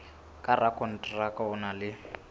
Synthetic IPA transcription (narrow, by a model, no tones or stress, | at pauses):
kʼarakʼɔn̩tʼrakʼaʊnalɪ